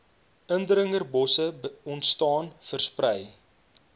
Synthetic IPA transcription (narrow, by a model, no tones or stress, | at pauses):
əndɾəŋərbɔsəɔntstɑːnfərsprəj